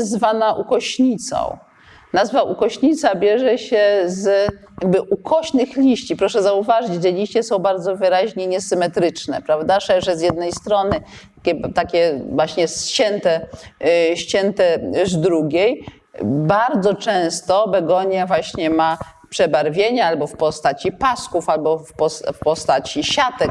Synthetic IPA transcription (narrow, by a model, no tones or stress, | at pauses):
zvanaʔukɔɕɲit̪sɔ̰̃w̃ | nazvaʔukɔɕɲit̪sabʲjɛʐɛɕɛzjaɡ̚bɘʔukʰɔɕnɘxlʲiɕt͡ɕipɾɔʂɛzauvaʐɘt͡ɕʐɛlʲiɕt͡ɕɛsɔ̃w̃baɾd̪zɔvɘɾaʑɲɛɲɛsɘmɛt̪ɾɘt͡ʂnɛ̰pɾavd̪aʐɛʐɛzjɛd̪̚nɛjst̪ɾɔnɘt̪akʲɛt̪akʲɛvwaɕɲɛst͡ɕɛnt̪ɛ | ɕt͡ɕɛnt̪ɛzd̪ɾuɡʲej | baɾd̪zɔt͡ʂɛ̃w̃st̪ɔbɛɡɔɲjavwaɕɲɛma | pʂɛbaɾvʲjeɲaalbɔfpɔst̪at͡ɕipaskufalbɔfpɔsfpɔst̪at͡ɕiɕat̪ɛk